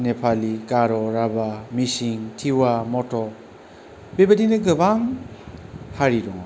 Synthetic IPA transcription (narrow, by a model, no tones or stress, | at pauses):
nepʰalikaɾɔɾabamisiŋtʰiwamɔtɔ | bebadinɯɡɯbaŋ | haɾiɾɔŋa